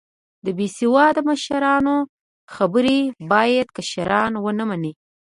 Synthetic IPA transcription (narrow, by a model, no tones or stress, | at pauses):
d̪əbesiwɑd̪əməʃaɾɑno | xabəɾebɑjad̪kaʃaɾɑnwənəmani